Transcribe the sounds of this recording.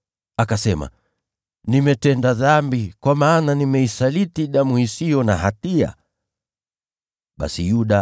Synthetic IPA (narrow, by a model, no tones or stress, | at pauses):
akasɛma̰ | nimɛtɛndaðambikwamaːnanimɛisalitiɗamuhisijɔnaɦatia̰ | ɓa̰sijuɗa